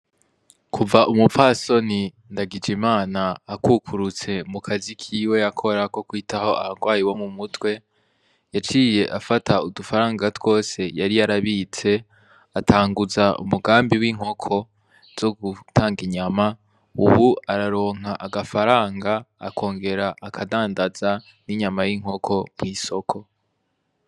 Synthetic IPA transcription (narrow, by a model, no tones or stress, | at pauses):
kʰuvaʔumupfaso̞ni | ndaɡid͡ʒimaːnaːkukʰuɾut͡se̞mukʰazikʰiːwe̞jakʰo̞ɾako̞kwiːtʰaho̞a̰haŋɡwaːjiwomumutwe̞ | jat͡ʃiːje̞ʔafataudufaɾaːŋɡatw̥o̞ːse̞jaɾijaɾaβit͡se̞ | atʰaːŋɡuzaṵmuɡaːmbiwiːŋ̥o̞kʰo̞ | z̥o̞ɡutʰaːŋɡiɲama | ṵβuaɾaɾo̞ːŋ̥aʔaɡafaɾaːŋɡa̰ːkʰo̞ːŋɡe̞ɾaʔːkʰadaːndaza | niɲamajiŋ̥ɦo̞kʰo̞mŋiːso̞kʰo̞